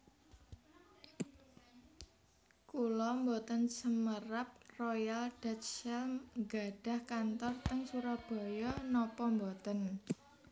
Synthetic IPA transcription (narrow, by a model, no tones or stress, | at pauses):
kulɔmbot̪ənsəməɾap̚rojald̥at̪̚ʃɛlŋɡa̤ɖ̥ä̤hkant̪ɔrt̪əŋsuɾab̥ɔ̤jɔnɔpɔmbot̪ən